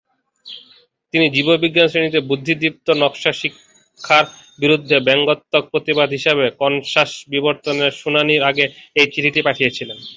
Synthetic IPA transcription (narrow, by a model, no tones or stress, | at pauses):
t̪inid͡ʑibobiɡːanʃenit̪ebud̪ʱːid̪ip̚t̪onɔkʃaʃikʰː | aɾ | biɾud̪ʱːebɛŋɡot̪ːok̚pɾot̪ibad̪ʱɦiʃeβekɔnʃaʃbiboɾt̪oneɾʃunaniɾaɡeejt͡ɕiʈʰiʈipaʈʰijet͡ɕʰilen